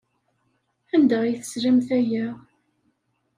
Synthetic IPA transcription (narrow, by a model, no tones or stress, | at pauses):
ænd̪æjθə̥sɾæmθæjæ